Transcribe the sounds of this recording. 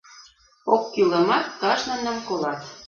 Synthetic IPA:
okːylə̆mɑt̪̚kɑʃnə̆nəmkolɑt̪

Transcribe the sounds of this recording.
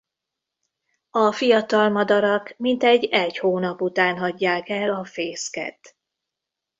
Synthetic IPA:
ɒfijɒt̪ɒlmɒd̪ɒɾɒkmint̪ɛɟːɛchoːnɒput̪aːnɦɒɟːaːkɛlɒfeːskɛ̰t̪

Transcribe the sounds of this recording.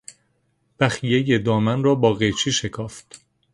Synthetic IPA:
b̥æxijejed̪ɒːmænrɒːbɒːɣet͡ʃʰiːʃe̞kʰɒːft̪

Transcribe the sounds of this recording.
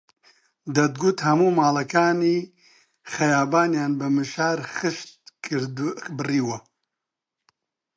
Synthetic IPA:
d̪ɐd̪̚ɡut̪hɐmuːmaːlɐkaːniː | xɐjaːbaːnjaːnbɐmɨʃaːɾxɨʃt̪̚kʰɾdbɨriːwɐ

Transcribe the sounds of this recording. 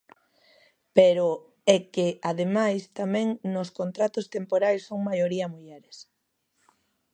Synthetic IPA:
peɾʊ | ɛkɪaðemajst̪amɛ̃ŋnoskont̪ɾat̪ʊst̪empoɾajsːoŋmajoɾiɐmuʎɛɾɪs

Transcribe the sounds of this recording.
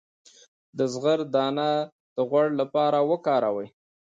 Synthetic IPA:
d̪əzɣəɾd̪ɑna | d̪̥əɣwaɽlapɑɾawəkɑɾawəj

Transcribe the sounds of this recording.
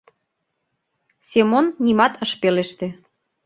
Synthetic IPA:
sʲemonːʲimɑt̪əʃpeleʃt̪ĕ

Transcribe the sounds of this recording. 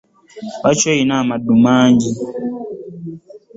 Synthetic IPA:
wat͡ʃɔinamadumaːɲd͡ʒi

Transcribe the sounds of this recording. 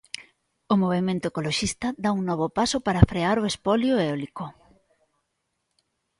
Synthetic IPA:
ʊmoβ̞emẽnt̪oekoloʃist̪ɐd̪auŋnɔβ̞opasopaɾafɾeaɾoespɔljoeɔliko

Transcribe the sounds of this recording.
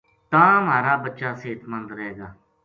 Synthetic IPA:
t̪ãːmaːɾaːbətːʃaːseːt̪mənd̪ɾɛːɡaː

